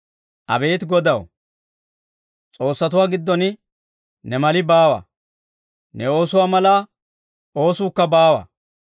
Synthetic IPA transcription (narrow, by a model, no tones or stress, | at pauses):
ʔɐ̰be̞ːt̪ɡɔd̪ɐw | t͡sʼo̞ːsːɐt̪ʊwaːɡɪd̪ːɔnɪ | nɛmɐlɪbaːwɐ̰ | nɛo̞ːsʊwaːmɐlaː | o̞ːsuːkːɐbaːwɐ̰